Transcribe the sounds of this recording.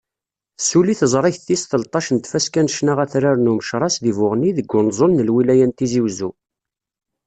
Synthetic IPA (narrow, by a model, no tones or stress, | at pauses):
θsuliθəzˤɾˤɪçθisθəlt̪ˤɑʃənt̪fæskænəʃnaʁæθɾaɾnuməʃɾˤɑsðivʊʁniðəɡʷːʊnzˤolnəlwilæjænt̪iziwzu